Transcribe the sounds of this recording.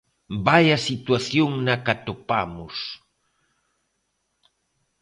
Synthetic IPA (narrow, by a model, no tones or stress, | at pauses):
bajasit̪waθjoŋnakat̪opamʊs